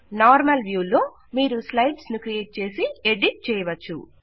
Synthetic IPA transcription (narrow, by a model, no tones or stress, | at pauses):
naːɾmɐlʋjuːloː | miːɾuslɐjɖsnukɾijeːʈ̚t͡ʃe̞ːsieɖiʈ̚t͡ʃɛːjɐʋɐt͡ʃːṵ